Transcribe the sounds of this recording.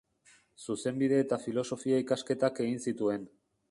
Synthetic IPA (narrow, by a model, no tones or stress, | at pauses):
suse̞mbið̞e̞ːt̪afilo̞so̞fiaikaske̞t̪ake̞ɣinsit̪ue̞n